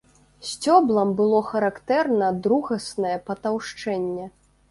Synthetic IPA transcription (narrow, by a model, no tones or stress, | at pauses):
sʲt͡sʲɔblˠɐmbɨlˠɔxɐɾakt̪ɛrnɐd̪ɾuɣɐsnɐjɛpɐt̪awʂt͡ʂɛnʲːɛ